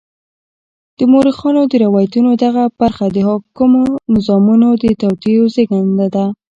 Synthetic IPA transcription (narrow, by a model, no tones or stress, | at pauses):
d̪̥əmoɾixɑnod̪əɾawɑjat̪unod̪aɣab̥aɾxad̪əɦɑkumonɪzɑmunod̪ət̪awt̪ijozeɡand̪ad̪a